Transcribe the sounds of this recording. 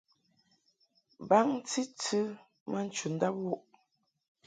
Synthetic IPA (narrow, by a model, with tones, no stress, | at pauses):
ba˦ŋ˦t͡si˦t͡sɨ˦ | mə˦n̩˦t͡ʃu˨n̩˦da˦p̚wu˦ʔ